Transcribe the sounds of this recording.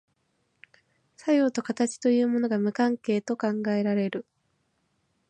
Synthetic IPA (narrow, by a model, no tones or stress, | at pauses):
sajo̞ːt̪o̞kat̪at͡ɕi̥t̪o̞jɯ̟ːmo̞no̞ɡamɯ̟kãŋke̞ːt̪o̞kãŋɡae̞ɾaɾe̞ɾɯ̟